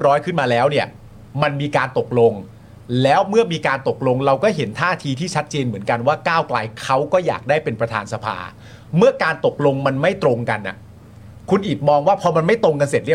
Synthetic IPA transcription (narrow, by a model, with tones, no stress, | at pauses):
p̚ɾɔː˦˥jkʰɯ˥˩nmaː˧lɛː˦˥wni˥˩ɐ | ma˧nmiː˧kaː˧nt̪o˨˩k̚lo˧ŋ | lɛː˦˥wmɯ˥˩ɐmiː˧kaː˧nt̪o˨˩k̚lo˧ŋɾa˧wkɔː˥˩ɦe˩˦nt̪ʰaː˥˩t̪ʰiː˧t̪ʰiː˥˩t͡ɕʰa˦˥t̪̚t͡ɕeː˧nmɯ˩˦ənka˧nwaː˥˩kaː˥˩wklaː˧jkʰa˦˥wkɔː˥˩ja̰ː˨˩k̚daː˥˩jpe˧npɾa˧t̪ʰaː˧nsa˧pʰa̰ː˧ | mɯ˥˩ɐkaː˧nt̪o˨˩k̚lo˧ŋma˧nma˥˩jt̪ɾo˧ŋka˧nʔa̰˨˩ | kʰu˧nʔiː˨˩t̪̚mɔː˧ŋwaː˥˩pʰɔː˧ma˧nma˥˩jt̪ɾo˧ŋk̬a˧nse˨˩t̪̚ɾi˥˩˨